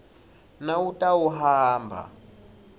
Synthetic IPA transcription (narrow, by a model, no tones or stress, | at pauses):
nawutʼawuɦaːmbʱa̰